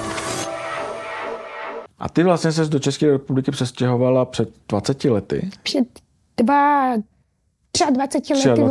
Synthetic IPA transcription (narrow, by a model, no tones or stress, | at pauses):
ʔa̰t̪ɪvlast̪ɲɛs̬ɛzdo̞t͡ʃɛskɛːɾɛpublɪkɪpr̥ɛscɛɦo̞valapr̥ɛd̪dvat͡sɛcɪlɛt̪ɪ̰pr̥ɛt̪ | d̥va | t̪r̥ɪadvat͡sɛcɪlɛaɪ